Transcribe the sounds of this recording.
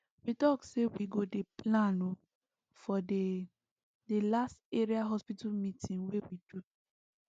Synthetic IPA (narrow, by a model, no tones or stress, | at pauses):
witɔksewiɡodeplãno | fɔde | delasteɹiaɦɔspitamĩtʰĩnwewidu